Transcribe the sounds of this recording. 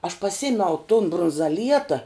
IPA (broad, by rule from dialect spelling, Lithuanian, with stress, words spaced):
ɐʃ pɐˈsʲɪmʲɛʊ tʊn brʊnzɐˈlʲiɛtɐ